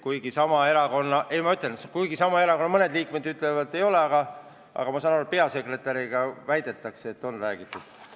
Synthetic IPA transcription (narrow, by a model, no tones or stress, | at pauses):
kujɡisɑmɑe̞ɾɑko̞nːɑʔe̞jmɑyt̪ːˑenskujɡisɑmɑe̞ɾɑko̞nːɑmɤne̞d̪liːkmed̪yt̪ːˑlevɑd̪ˑe̞jo̞le̞ɑɡɑ | ʔɑ̰ɡ̥ɑmɑsɑnɑɾuet̪̚peɑse̞kre̞t̪ːˑɑɾiɡ̥ɑvæjd̪̥e̞t̪ːˑɑkseːt̪ːˑo̞nræːɡ̥it̪ːˑud̪̥